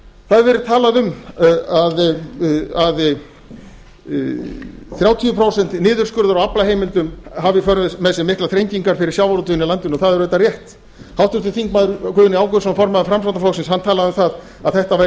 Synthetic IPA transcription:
θaðʏɾvɛɾɪ̥t̪ʰaːlaðʏmað | að | θɾjaːwt̪ʰiʏpʰɾoːwsɛn̥t̪nɪːðʏɾskʏɾðaɾɔaplahejmɪlt̪ʏmhavɪfœɾɛmɛðsɛmɪhklaθɾejɲciŋkaɾ̥fɪɾɪɾ̥sjawvaɾut̪ʏnːɪlant̪ɪnɔθaðɛɾðɛt̪ːarjɛht̪ | hawht̪ʏɾt̪ɪθiŋkmaːðʏɾkʰʏːðʏnɪaːwkʏsɔmfɔɾmaðʏfɾamsvant̪afɔwsɪnshanːt̪ʰaːlaðʏmθað | aðθɛht̪avaɾ

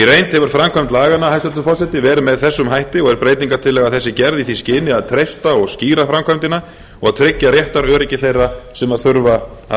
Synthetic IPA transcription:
irejnt̪hɛvʏɾ̥fɾamkʰvajmt̪laːɣanːahajst̪ʏɾt̪ʏfɔsɛt̪ɪvɛːɾʏmɛðθɛsːʏmɦajht̪ɪɔɣɛɾpɾeːjt̪iŋkat̪ʰɪlːɛːɣaðθɛsːɪcɛɾðiθiscɪːnɪaðt̪ʰɾejst̪aɔɣsciːɾafɾamkʰvajmt̪ɪna | ɔɣaðt̪ʰɾɪcːaɾjɛht̪aɾœːɾɪcɪθejrːasɛmaðθʏɾva

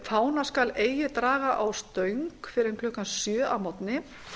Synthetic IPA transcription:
faːwnaskaleːjɪt̪ɾaːɣaʔawst̪œɥŋkfɪɾɪɾkʰlʏhkansjœːʔawmɔt̪nɪ

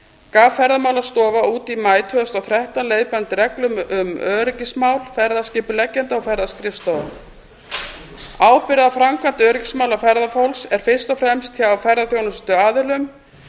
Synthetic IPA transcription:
kaːvfɛɾðamaːwlast̪ɔːvauːt̪imaːjt̪ʰʏɣast̪awθɾɛht̪aleːjpant̪ɾɛklʏmʏmœːɾɪcɪsmawlfɛɾðascɪːpʏlɛcːɛnt̪aɔwfɛɾðaskɾɪfst̪ɔːða | aːwpɪɾɪðafɾamkant̪œːɾɪcɪ̥smawlafɛɾðafowlsɛɾ̥fɪr̥st̪ɔfɾɛmst̪ʰçaawfɛɾðaθjownʏst̪ʏaːðɪlʏm

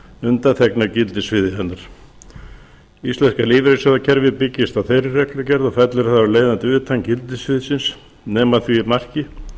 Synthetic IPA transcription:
ʏnt̪at̪ʰɛknacɪlt̪ɪsvɪðɪɦɛnːaɾ̥ | ist̪ɛnskaliːvɾesɛðacʰɛɾvɪpɪcːɪst̪aθejɾɪrɛklʏcɛɾðɔfɛt̪lɛɾθavaɾleːjðant̪ʏt̪ʰaŋcɪlt̪ɪsvɪðɪsɪns | nɛːmaθviːmar̥cɪ

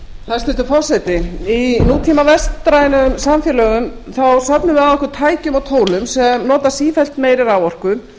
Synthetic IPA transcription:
θaðst̪ɪlt̪ʏɾfɔr̥sɛt̪ɪinuːt̪ʰimavɛst̪ːɾajnʏmsamfjɛːlœːɣʏmθawsœpnʏvɪaðɔhkʏɾt̪ʰaːjcʏmɔɣt̪ʰoːwlʏmsɛmnɔːt̪asiːfɛlt̪meːjɾɪɾawɔr̥kʏ

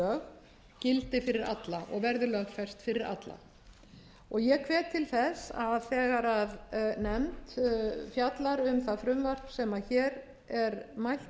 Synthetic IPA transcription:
œːx | cɪlt̪ɪfɪɾɪɾa̰t̪laʔɔ̰ɣvɛɾðɪlœɣfɛr̥st̪fɪɾɪɾa̰t̪la̰ | ɔɣjɛkʰvɛːt̪ʰːɪlθɛsaðθɛːɣaɾaðnɛmt̪fjat̪laɾʏmθaðfɾʏmvar̥psɛmaçɛːɾ | ɛɾmajl̥

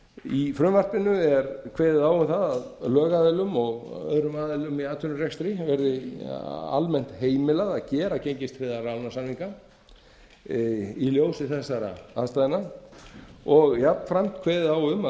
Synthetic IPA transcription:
ifɾʏmvar̥pɪnʏɛɾkʰveːðɪðaːwʏmθaðað | lœːɣaːðɪlʏmɔɣœ̰ðɾʏmaːðɪlʏmiaːt̪ʰʏnʏrjɛkst̪ɾivɛɾðɪ | a̰lmɛn̥t̪heːjmɪlaðaðcɛːɾacejɲcɪst̪fɪðaɾalnasamhiŋka | iljoːwsɪθɛsːaɾa̰ast̪aðɪna | ɔɣjapnfɾam̥t̪kʰveːjðɪðaːwʏma

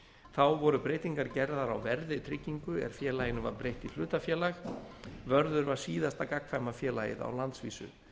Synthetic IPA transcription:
θawvɔɾʏpɾeːjt̪iŋkaɾcɛɾðaɾawvɛɾðɪt̪ʰɾɪcːiŋkʏɛ̰ɾ̥fjɛːlajɪnʏva̰ɾpɾejht̪il̥ʏːt̪afjɛːlaxvœɾðʏɾvaɾ̥siːðast̪akakfajmafjɛːla̰jɪ̰ða̰wlant̪svḭːsʏ̰

